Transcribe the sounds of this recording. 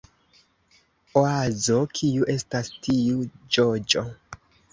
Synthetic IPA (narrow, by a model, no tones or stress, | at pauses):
oazo̞kʰiuʔe̞stastiud͡ʒod͡ʒo̞